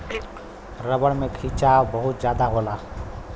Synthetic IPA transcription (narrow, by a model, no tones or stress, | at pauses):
ɾəbəɽmẽkʰiːt͡ʃaːʋbəɦʊt̪̚d͡ʒjaːd̪aɦoːlaː